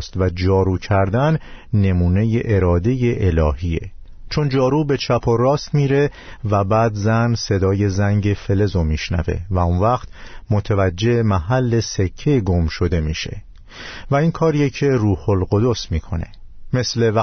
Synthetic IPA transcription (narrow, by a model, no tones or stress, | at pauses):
st̪væd͡ʒɒːɾuːcʰæɾd̪ænːe̞muːne̞je̞ʔeɾɒːd̪e̞je̞ʔelɒːhie̞̰ | t͡ʃʰond͡ʒɒːɾube̞t͡ʃʰæpʰorɒːst̪miːɾe̞væbæːd̪zænse̞d̪ɒːje̞zæŋɟe̞fe̞le̞zomiːʃnæ̰ve̞̰væunvæqt̪mot̪ʰevæd͡ʒːe̞emæɦælːe̞se̞cʰːeɡomʃo̞d̪e̞miːʃe̞̰ | væiːnkʰɒːɾijecʰeruːho̞lɡo̞d̪o̞smiːkʰo̞̰ne̞̰me̞slev